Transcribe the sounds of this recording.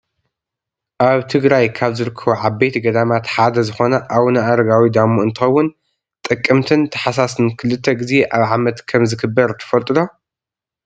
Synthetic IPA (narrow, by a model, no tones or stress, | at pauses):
ʔaβt̪ʰɨɡɾajkʰaβzɨɾɨkʰːɐβoʕaβbet̪ʰɡɐd̪amat̪ħad̪ɐzɨxo̞nɐʔaβunɐaɾɐɡawid̪amuɨnt̪ʰxɐwːʊn | t̪ʼɨkʼːɨmt̪ʰɨnt̪ʰɐ̥ħasasɨnkʰɨlɨt̪ʰːɐɡize̞ʔaβʕamɐt̪kʰɐmzɨkɨbːɐɾt̪ʰɐ̥fɐlt̪ʼɨlo̞